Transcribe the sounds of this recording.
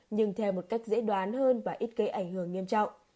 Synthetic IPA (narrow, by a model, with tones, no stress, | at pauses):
ɲɨ˧ŋt̪ʰɛ˧wmo˨˩t̚ka˦˥jk̟̚zḛ˧˥ɗwaː˨˦nhəː˧nvaː˨˩ʔi˦˥t̚kə˨˦ʔa˧˩jŋ̟hɨ˧˩əŋːi˧əmt͡ɕɔ̰˧˨wŋ͡m